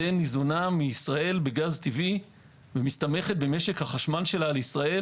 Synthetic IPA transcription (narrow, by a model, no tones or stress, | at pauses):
enːizonamiːsʁae̞lbe̞ɡazt̪ivi | vemist̪ame̞χe̞t̪̚be̞me̞ʃe̞khaχaʃmanʃe̞laleisʁae